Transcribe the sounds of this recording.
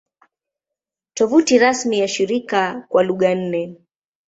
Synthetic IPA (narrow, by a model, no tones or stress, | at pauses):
tɔvutiɾasmijaʃiɾikakwaluɠan̩nɛ